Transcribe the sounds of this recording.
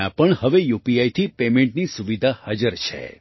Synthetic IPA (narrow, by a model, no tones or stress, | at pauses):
ãpəɳhəʋejupiajt̪ʰipemẽɳʈnisuʋid̪ʱahad͡ʒəɾt͡ʃʰḛ